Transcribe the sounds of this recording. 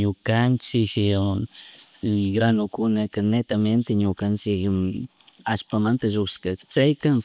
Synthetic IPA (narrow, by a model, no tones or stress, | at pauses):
ɲʊkant͡ʃɪk | ɡɾanʊkʊnakanet̪ament̪eɲʊkant͡ʃɪk | aspamant̪aʒokskakt͡ʃajkaŋ